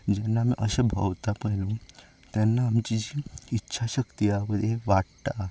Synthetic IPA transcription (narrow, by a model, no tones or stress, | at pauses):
d͡ʑɛnːamĩʔəsebʱə̰ʋt̪apəɦlu | t̪ɛnːaːmt͡ɕid͡ʑiːtːɕʰaɕəkt̪ijaməd̪ʱjeʋaɽt̪a